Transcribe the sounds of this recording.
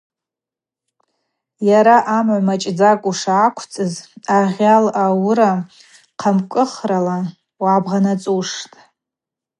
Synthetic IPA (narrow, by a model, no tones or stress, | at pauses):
jaɾaʔamʕʷamat͡ʃʼd͡zakʼuʂaːkʷʰt͡sʼɨzaʁʲalawɾa | qʰamkʷʼɨχrala | wabʁanat͡sʼuʂtʼ